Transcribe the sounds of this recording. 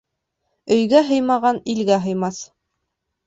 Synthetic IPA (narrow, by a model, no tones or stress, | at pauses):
ɵ̆jɡæɦɤ̆jmɑʁɑnilɡæɦɤ̆jmɑs